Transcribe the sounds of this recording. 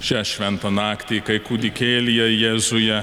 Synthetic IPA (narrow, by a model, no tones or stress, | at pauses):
t͡ʃʲɛʃʲʋʲɛnt̪ɐnɑːkt̪ʲiːkɐɪkuːd̪ʲɪkʲeːlʲɪjɛjɛːzʊjɛ